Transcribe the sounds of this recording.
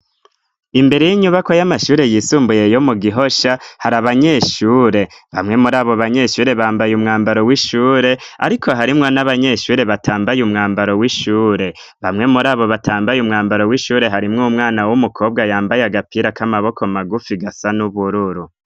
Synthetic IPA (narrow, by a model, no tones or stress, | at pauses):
imbe̞ɾe̞jiɲuβakojamaʃuːɾe̞jisuːmbuje̞jo̞muɡiɦo̞ʃahaɾaβaɲe̞ʃuːɾe̞βamŋe̞muɾaːβo̞βaɲe̞ʃuːɾe̞βaːmbajumŋaːmbaɾo̞wiʃuːɾe̞a̰ɾikʰo̞ɦaɾimŋo̞naβaɲe̞ʃuːɾe̞βatʰaːmbajumŋaːmbaɾo̞wiʃuːɾe̞ | βamŋe̞muɾaːβo̞βataːmbajumŋaːmbaɾo̞wiʃuːɾe̞ɦaɾimŋumŋaːnawumukʰo̞ːb̚ɡajaːmbajaɡapiɾakamaβo̞kʰo̞maɡufiɡasanuβuɾuɾu